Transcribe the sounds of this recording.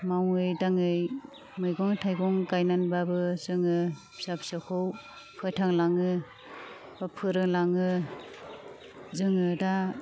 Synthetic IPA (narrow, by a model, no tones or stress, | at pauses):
mawɯjdaŋɯj | mɯjɡɔŋtʰajɡɔŋkajnanbabɯzɯŋɯ | sapsɯkʰɯw | pʰɯjtʰaŋlaŋɯ | bapʰɯɾɯŋlaŋɯ | zɯŋɯda